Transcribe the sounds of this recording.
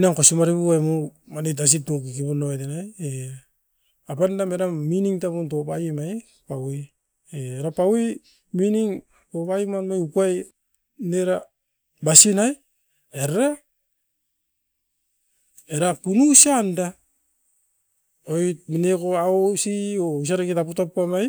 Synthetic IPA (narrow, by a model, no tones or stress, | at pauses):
naŋkosumaɾiβuajmomanet̬as̬itokikiβonoetenaje | apandameɾaminiŋtapuntopajimaj | pawi | eeɾapawi | miniŋ | topajimanmajukuaj | neɾa | basinaj | eɾaɾa | eɾapunusanda | ojt̚minekoaosious̬aɾaketaputappamaj